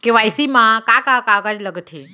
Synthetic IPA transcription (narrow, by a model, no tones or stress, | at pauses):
keʋajsimãkakãkãkad͡ʒləɡt̪ʰe